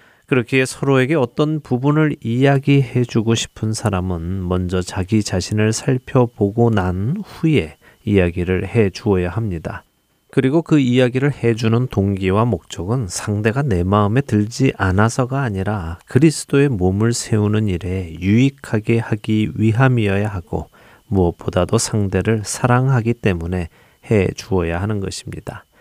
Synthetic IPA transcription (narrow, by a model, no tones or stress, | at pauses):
kɯɾʌkʰiesʰʌɾoe̞ɡe̞ʌt͈ʌnpubunɯɾijaɡihe̞d͡ʑuɡoɕʰi̥pʰɯnsʰaɾamɯnmʌnd͡ʑʌt͡ɕaɡit͡ɕaɕʰinɯɭsʰaɭpʰjʌboɡonanɸuje̞ | ijaɡiɾɯɭhe̞d͡ʑuʌjaɦamɲida | kɯɾiɡokɯijaɡiɾɯɭhe̞d͡ʑunɯntoŋɡiwamok̚t͡ɕ͈ʌɡɯnsʰaŋde̞ɡane̞maɯme̞tɯɭd͡ʑiʔanasʰʌɡaːɲiɾakɯɾisʰɯ̥d͈oe̞momɯɭsʰe̞unɯniɾe̞juikʰaɡe̞haɡiɥiɦamiʌjaɦaɡ̥o̰ | muʌp͈odadosʰaŋde̞ɾɯɭsʰaɾaŋɦaɡit͈e̞mune̞ | he̞d͡ʑuʌjaɦanɯnɡʌ̰ɕʰimɲida